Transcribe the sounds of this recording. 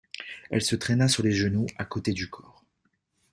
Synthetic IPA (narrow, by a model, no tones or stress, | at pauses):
ɛ̰lsət̪χɛnasyʁleʒənuakot̪ed̪ykʰɔːʁ